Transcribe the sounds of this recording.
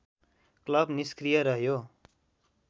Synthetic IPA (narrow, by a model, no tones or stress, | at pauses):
klʌbniskrijʌɾʌɦjo